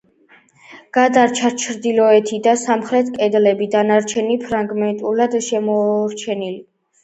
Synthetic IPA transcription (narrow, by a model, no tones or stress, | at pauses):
ɡ̥ad̪aɾt͡ʃʰat͡ʃʰɾd̪ilɔɛt̪ʰid̪asamχɾɛt̪ʰkʼɛd̪lɛbid̪anaɾt͡ʃʰɛnipʰɾaŋɡmɛnt̪ʼulad̪ʃɛmɔɾt͡ʃʰɛnili